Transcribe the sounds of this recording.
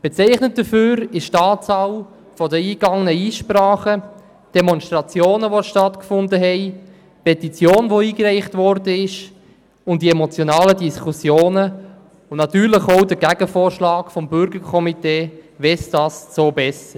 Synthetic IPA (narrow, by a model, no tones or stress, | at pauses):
b̥ɛt͡sɛɪχnət̚d̥əføːɾɪʃtɑːt͡sɑw | fɔdəiːɡ̥ɑŋənəiːʃpraːχə | d̥ɛmɔnstʁɑt͡sjoːnəʋoʃtɑtkfʊndəɦɛɪ | pɛtit͡sjoːnʋoiːɡrɛɪχtʋɔɾdəɪʃ | ʊnt̚d̥iɛmot͡sjonɑːlədiskʰusjoːnə | ʊnnɑt̪yːɾlɪχoʊdəɡæɡ̥əfoːɾʃlɑːkfɔmbʏɾɡəɾkʰɔmiteːvɛsd̥ɑːst͡soːbɛsə